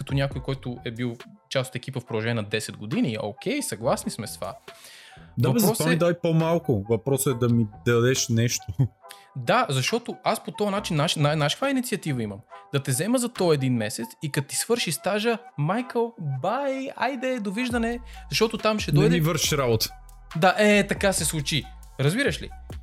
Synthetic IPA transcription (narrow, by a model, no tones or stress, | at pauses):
kɐt̪ɔnʲjakojkɔjt̪ʊʔɛbilˠ | t͡ʃaso̥t̪ɛk̟ipəfpɾod̪ɐʒɛnʲːnɐd̪ɛsɛd̪̚ɡod̪inio̰k̟ʲɛjsɐɡlˠasnismɛst̪va̰ | dvavɐbɛzpɾɔsamid̪aipomalˠkʊvɐpɾɔsɛd̪ɐmid̪ɐd̪ɛʃnɛʃt̪o | d̪azɐʃt̪ɔt̪oaspot̪ɔɐnat͡ʃinːaʃinːanːaʃkvainit̪siɐt̪ivəiməmd̪̥ɐt̪ɛzɛməzɐt̪ɔɛd̪inmɛsɛt̪sikɐt̪i̥svɤɾʃist̪aʒəmajkəlˠbaja̰jd̪ɛd̪oviʒd̪ɐnɛzɐʃt̪ɔt̪ot̪amʃɛnɔɛjd̪ivəɾʃiʃɾabot̪ə̥ | d̪aʔɛt̪ɐkasɛslˠut͡ʃi | ɾɐzbiɾəʃlḭ